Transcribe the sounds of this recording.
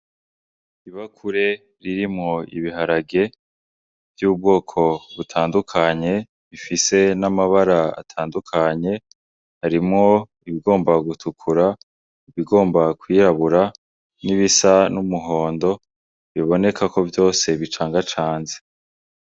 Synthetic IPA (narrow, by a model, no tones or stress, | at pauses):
iβakʰuɾe̞ | ɾiɾimŋo̞ḭβiɦaɾaɡe̞ | vjuːb̚ɡo̞ːkʰo̞βutʰaːndukʰaɲe̞ | βifise̞namaβaɾaa̰tʰaːndukʰaɲe̞ | haɾimŋo̞ | iβiɡo̞ːmbaɡutʰukʰuɾa | iβiɡo̞ːmbakwiːɾaβuɾa | niβisanumuɦo̞ːndo̞ | βiβo̞ne̞kʰako̞vjo̞ːse̞βit͡ʃaːŋɡat͡ʃaːnze